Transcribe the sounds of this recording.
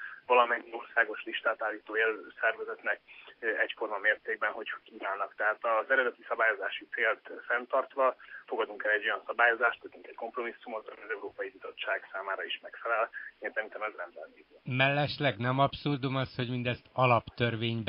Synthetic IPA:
vɒlɒmɛɲːio̞rsaːɡo̞ʃliʃt̪aːt̪aːlːiːt̪oːeːlsɛrvɛzɛt̪nɛk̚ɛcformɒmeːrt̪eːɡ̚bɛnɦo̞chkiːvaːnːɒkt̪ɛɦaːt̪ɒzɛɾɛd̪ɛt̪isɒbaːjo̞zaːʃit̪seːlt̪fɛnt̪ɒrt̪ʋɒfo̞ɡɒd̪uŋkɛlɛɟːo̞jɒnsɒbaːjo̞zaːʃt̪hɛt̪yŋkɛcko̞mpro̞misːumɒzɒojɒzɛuɾoːpɒjibizo̞t͡ʃːaːɡsaːmaːɾɒiʃmɛkfɛlɛleːnsɛɾint̪ɛmɛznɛmd̪ɛ̰nd̪iːzmɛlːɛʃlɛɡnɛmɒpsurd̪umɒsho̞ɟmind̪ɛst̪ɒlɒpt̪ørveːɲb

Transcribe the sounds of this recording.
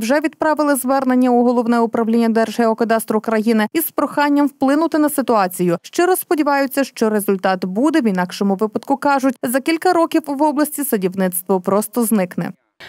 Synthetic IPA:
wʒɛʋʲid̪̚pɾɑʋɪlˠɪzʋɛrnenʲːɐuɦɔlˠɔwnɛʊpɾɐʋlʲinʲːɐd̪ɛrʒ̥ɦɛɔkɐd̪ɑst̪ɾʊkɾɐjinɪispɾɔxɑnʲːɐmwplˠɪnʊt̪ɪnɐsɪt̪ʊɑt͡sʲijʊʃt͡ʃɔɾɔspɔdʲiʋɑjʊt͡sʲːɐʃt͡ʃɔɾe̞zʊlʲt̪ɑt̪bud̪ɛʋinɑkʃɔmʊʋɪpɐd̪kʊkɑʒʊt̚ʲzɐkʲilʲkɐɾɔkʲiwʋɔblˠɐsʲtʲisɐdʲiwnɪt̪st̪ʋɔpɾɔst̪ɔznɪknɛ̰

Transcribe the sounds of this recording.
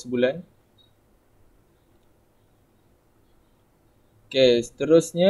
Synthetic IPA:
səbulan | kesə̥t̪əɾʊsɲa

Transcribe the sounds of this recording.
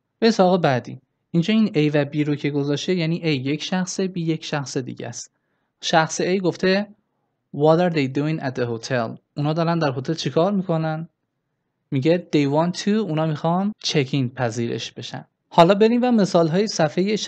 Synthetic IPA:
beisɒɒːɣebæd̪ḭ | ind͡ʒɒːinejvæbiːɾocʰe̞ɡo̞zɒːʃt̪ejæniːʔejːe̞cʰʃæxse̞biːje̞cʰʃæxse̞d̪ḭɟæ̰st̪ | ʃæxseejɡoft̪ʰe̞ | wɒd̪æɾd̪ejd̪uĩŋæt̪ehot̪ʰelunɒːd̪ɒːɾænd̪æɾɦot̪ʰe̞lt͡ʃʰikʰɒːɾmiːkʰo̞næn | miɟed̪̥ejvɒːnt̪ʰuunɒːmixɒnt͡ʃʰekʰinpʰæziːɾe̞̰ʃb̥e̞ʃæ̰n | hɒːlɒːbe̞ɾimvæme̞sɒːlɦɒːjesæfejeʃ

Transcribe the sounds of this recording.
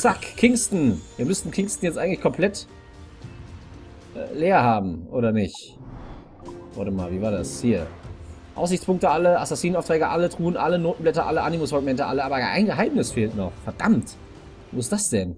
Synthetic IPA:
t͡sakkʰɪŋstn̩viːɐmʏstn̩kʰɪŋstn̩jɛt͡stʔaɪɡŋ̩tlɪçkʰɔmpl̥ɛt | ʔɛleːɐhaːbm̩ʔoːɾɐnɪçt | vɔ̰ɐtəma̰ːlviːvaːɐdashiːɐ | ʔaʊszɪçt͡spʰʊŋktəʔaləasasiːnaʊftʁ̥ɛːɡɐʔalədʁ̥uːənʔalənoːtn̩blɛtɐʔaləʔanimosfɔk̚mɛntəʔaləʔaːbɐɡəʔa̰ɪnɡəɦaɪmnɪsfeːltnɔχfɛɐd̥a̰mt | voːɪstd̥asd̥ɛn

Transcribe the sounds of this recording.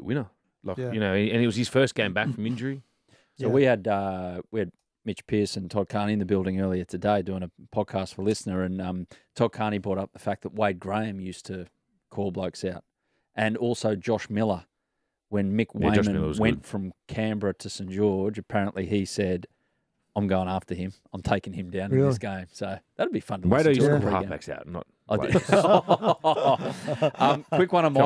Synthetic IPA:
wɪ̃nə˞ | lajɨnoʊɨ̃ɨ̃nɨt̚wʌz̥ɨz̥fɜ˞sɡ̥ẽɪ̃mbækfɹʌ̃mɪ̃nd͡ʒə˞i | soʊwiɨdʌwiɨd̚ | mɪt͡ʃpʰiɹsɨ̃ntʰɑkʰɑɹniɨ̃nðɨbɪlˠdɪ̃ŋɜ˞lˠiə˞ɾʰɨdeɪdʉɪ̃ŋɨpʰɑd̚kʰæstfə˞lɪsnə˞ɨ̃nʌ̃mtʰɑkʰɑɹñibɔɾʌp̚ðəfæk̚ðət̚weɪd̚ɡɹẽɪɨ̃mjʉstʰɨ | kʰɔlˠbloʊksaʊt̚ | ʔɨ̃nɔlˠsoʊd͡ʒɑʃmɪlˠə˞ | wɨ̃nmɪkw̃ɪmmɨ̃nwɛ̃ntfɹʌ̃mkʰæ̃mbɹɨɾɨsɛ̃nd̥ʒ̥ɔɹd͡ʒɨpʰɛɹɨ̃nʔliisɛd | ãɪ̃mɡoʊɪ̃ŋæftə˞ɪ̃mãɪ̃mtʰeɪkɪ̃ŋɨ̃mdãʊ̃ñsɡ̥ẽɪ̃msoʊðɨt̚əbifʌ̃nwaɪɾɨɹiɑ̰̃bæ̰ksa̰ʊtnə̰t̚ | ʌ̃mkʰwɪkwʌ̃ñə̃m

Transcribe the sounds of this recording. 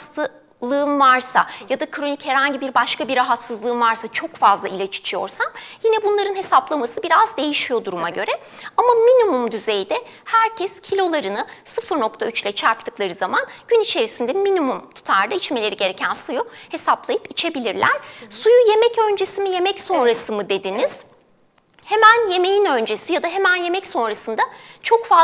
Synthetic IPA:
lˠɯːɯmvaɾsa̰jad̪akʰɾo̞nichɛɾhaɲɟibiɾbaʃkabiɾaɦat̪sɯzlˠɯːmvaɾsat͡ʃʰo̞kfazlˠailʲat͡ʃʰi̥t͡ʃʰijo̞̰ɾsamjinɛbunlˠaɾɯnɦe̞saplˠamasɯbiɾazd̪e̞jiʃijo̞d̪uɾumaɟø̞ɾɛ | amaminimumd̪yze̞jd̪ɛ | hæɾcʰɛscʰilʲo̞lˠaɾɯnɯsɯfɯɾno̞k̚t̪ʰayt͡ʃlʲɛt͡ʃʰaɾpt̪ʰɯklˠaɾɯzamanɟ̥ynit͡ʃʰe̞ɾisind̪ɛminimumt̪ʰu̥t̪ʰaɾd̪ait͡ʃme̞lʲe̞ɾiɟe̞ɾe̞cʰænsujuhe̞saplˠajɯpit͡ʃʰe̞bilʲiɾlʲæɾ̥sujuje̞mɛcø̞nd͡ʒe̞simije̞mɛcso̞nɾasɯmɯd̪e̞d̪iniz̥ | hemænje̞me̞jinø̞nd͡ʒe̞sijad̪aɦe̞mænje̞mɛcso̞nɾasɯnd̪at͡ʃʰo̞kfa

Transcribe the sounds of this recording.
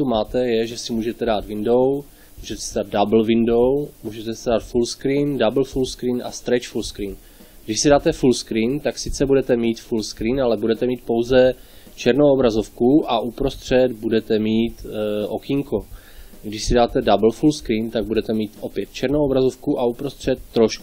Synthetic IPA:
t̪umaːt̪ɛjɛʒɛsɪmuːʒɛt̪ɛdaːt̪vɪndo̞w | muːʒɛt̪ɛsɛdaːd̪̚dabl̩vɪndo̞wmuːʒɛt̪ɛsɛdaːt̪fulskɾiːndabl̩fulskɾiːnʔa̰st̪ɾɛt͡ʃfulskɾiːn | ɡdɪʃsidaːt̪ɛfulskɾiːnt̪aksɪt͡sɛbudɛt̪ɛmiːt̪fulskɾiːnalɛbudɛt̪ɛmiːt̪̚po̞wzɛt͡ʃɛɾnowobɾazo̞fkuʔaʔupɾost̪r̝̥ɛd̪budɛt̪ɛmiːt̪ʔo̞kɪŋko̞ | ɡdɪʃsɪdaːt̪ɛdabl̩fulskɾiːnt̪aɡ̚budɛt̪ɛmiːt̪ʔo̞pjɛt̪̚t͡ʃɛɾnowobɾazo̞fkuʔaupɾost̪r̝̥ɛt̪ːɾoʃku

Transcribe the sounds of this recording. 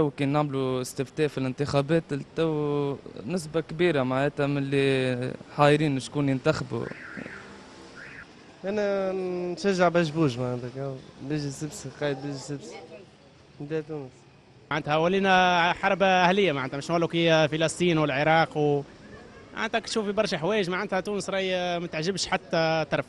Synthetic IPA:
æwːkiːnːaʕmluɪst̪ɪft̪ɛːfilɪnt̪ɪxæbɛːt̪t̪æwː | nɪs̬bakbiːɾamaʕnɛːt̪æmɪlːiħɑdɾiːnɪʃkuːnjɪnt̪axbṵ | ʔænænʃæʒːaʕbæʒbuːʒmaʕand̪ækæwbiʒisəbsiqɑːjd̪̚biʒsəbsi̥ | d̪ɛt̪uːnəs | aʕand̪hæwælːiːnæħɑɾˤbaʔæhlɪjːamaʕanːt̪hæmɪʃnwælːukijæfilɑsˤt̪ˤiːnwɪlʕeɾˤɑːqw | maʕa̰nt̪ækt̪ʃuːfibɑɾˤʃaħwɛːjəʒmaʕand̪hæt̪uːnəsɾˤɑjmæt̪əʕʒɪbʃħat̪ːæt̪ɑɾˤf

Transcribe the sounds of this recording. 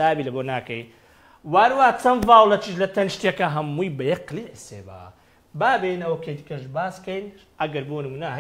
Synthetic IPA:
aːbilɐbonaːkɐj | waːɾwaːt͡sɐnvaːwlɐt͡ʃiʃlɐt̪ɐnʃt̪iekɐɦɐmːujbɐjɐqliʕsḛːba̰ | baːbenɐwɐkʰejt̪ikɐʃbaːskɐjn | ʔɐɡɐɾbonɨmuːnɐɦ

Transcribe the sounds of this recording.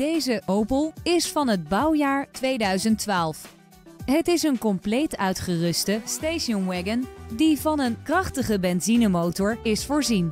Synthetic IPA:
d̥ejzəʔowpəlˠɪsfɑnɦəd̚bɑwjaːɹtʋejdœɥzəntʋaːlˠf | ɦətɪsənkɔmplejtœɥtχərɵstəstejʃɔnwɛɡəndivɑnənkrɑχtəχəbɛnzinəmowtɔɹɪsfʊːɹzin

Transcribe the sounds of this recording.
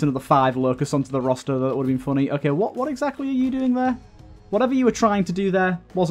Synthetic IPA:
ɪ̃nəvðəfaɪvləʊkəsʌ̃ntʰəðəɹɒstəðəɪʔwʊɾəvbĩnfʊñiʔoʊkʰeɪwɒʔwɒɾɛɡzak̚tˡliəjədʉːɪ̃ŋðə | wɒɾɛvəjəwətʰɹ̥aɪɪ̃ŋtʰədəðəwɒz

